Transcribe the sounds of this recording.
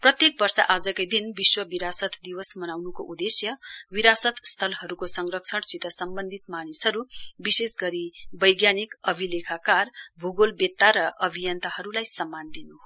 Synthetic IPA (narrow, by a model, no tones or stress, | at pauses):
prʌt̪jek̚bʌrsʌ̰ʔad͡zʌkajd̪inbiswʌbiɾasʌt̪d̪iwʌsmʌnawnukoʔud̪esjʌwiɾasʌt̪st̪ʰʌlɦʌɾukosʌŋrʌksʰʌɽsit̪ʌsʌmbʌnd̪ʱit̪manisɦʌɾubisesɡʌɾibʌjɡjanikʌbʱilekʰakarbʱuɡolbet̪ːaɾʌʔʌbʱijʌnt̪ʌhʌɾulajsʌmːand̪inu